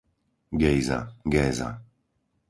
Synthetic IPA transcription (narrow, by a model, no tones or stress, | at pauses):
ɡɛjza̰ɡɛːza̰